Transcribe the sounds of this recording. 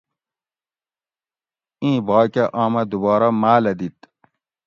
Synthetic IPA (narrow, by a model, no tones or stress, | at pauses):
ĩːbaːkeʔãːmɐd̪ubɑːɾɐmaːlɐd̪it̪